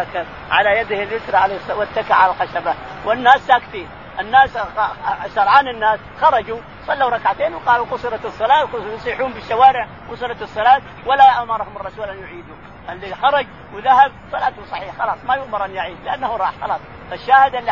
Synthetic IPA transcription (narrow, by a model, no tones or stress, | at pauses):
akab | ʕa̰lajad̪ɪhɪljʊt̪ɾˤɑʕalesˤwɪt̪ːakaʕalalxaʃabawʔɪnːaːsːakfiːn | ʔɪnːaːs | ʃɑɾˤʕaːnɪnːaːs | xɑɾˤɑd͡ʒu | sˤɑlːawɾˤɑkʕat̪eːnwɪqɑːluqʊsˤɨɾˤɑt̪ɨsˤːɑlaːjɑsˤiːħuːmbɪʃːawaːɾɪʕ | qʊsˤɨɾˤɑt̪ɨsˤːɑlaːt̪ | walːaʔamɑɾˤɑhʊmɑrˤːɑsuːlʔanjʊʕiːd̪u | alːixɑɾˤɑd͡ʒ | wɪðahab̚sˤɑlaːt̪husˤɑħiːħxɑlɑːsˤmajʊʔmɪɾˤʔanjɪʕiːd̪lɪʔanːahuɾˤɑːħxɑlɑːsˤ | faʃːaːhɪd̪ʔalːi